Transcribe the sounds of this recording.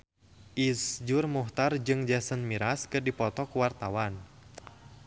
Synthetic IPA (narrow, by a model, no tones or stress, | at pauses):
ʔisd͡ʒurmuht̪ard͡ʒɨŋd͡ʒasənmiɾaskɨrdipɔt̪ɔkuwart̪awan